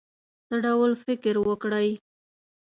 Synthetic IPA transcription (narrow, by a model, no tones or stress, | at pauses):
d̪̥əɖawlfɪkɾwəkɽaj